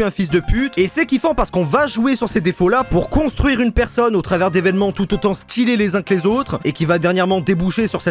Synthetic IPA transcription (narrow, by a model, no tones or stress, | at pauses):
yɛ̃fis̬d̪əpyt̪esɛkʲifɔ̃paʁsə̥kɔ̃vaʒuesyʁsed̪efolapuʁkɔ̃st̪χɥiʁynpɛʁsɔnot̪χavɛʁd̪evɛnmɑ̃t̪ut̪ot̪ɑ̃st̪ilelezɛ̃klezot̪χekʲivad̪ɛʁnjɛʁmɑ̃d̪ebuʃesyʁsɛ